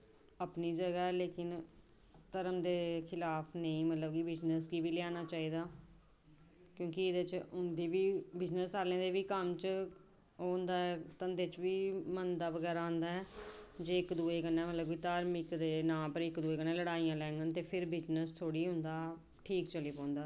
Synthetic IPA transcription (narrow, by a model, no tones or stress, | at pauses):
əpniːd͡ʒəɡaːɛːleːkɪn | t̪əɾəmd̪eːkʰɪlaːpʰnəĩːmət̪ləbkibɪznəskiːbiːlɪjaːnaːt͡ʃaːiːd̪aː | kjõːkiɪd̪ət͡ʃʊnd̪iːbiːbɪznəsaːlẽːd̪eːʋiːkəmt͡ʃ | ɦoːnd̪aːɛːt̪ənd̪eːt͡ʃʋiːmənd̪aːʋəɡɛːɾaːɦʊ̃nd̪aːɛːd͡ʒeːɪkd̪uːeːkənːɛ̃ːmət̪ləbkiːt̪aːɾmɪkd̪eːnãːpəɾɪkd̪uːeːkənẽːləɽaːijãːlɛ̃ːŋɡənt̪eːpʰɪɾbɪznəst̪ʰoːɽiːɦʊ̃nd̪aː | ʈʰiːkt͡ʃəliːpɔ̃ːnd̪aː